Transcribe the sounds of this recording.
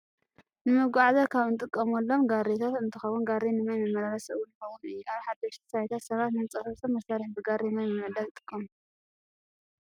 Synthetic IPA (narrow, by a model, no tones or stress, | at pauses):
nɨmɨɡʷaʕzɐkʰaβɨnt̪ʼɨkʼːɐmolːo̞mɡaret̪ʰat̪ɨnt̪ʰɨxɐwunɡaɾenɨmajmɨmːɐlalɐsɨwʊnjɨxɐwunɨjːuaβħad̪ɐʃt̪ʰi̥sʰajt̪ʰat̪sɐβat̪nɨmt͡sʼɐfɐft̪ʰomːɐsaɾħbɨɡaɾenajmɨmɨʕd̪alɨt̪ʼɨ̥kʼːɐm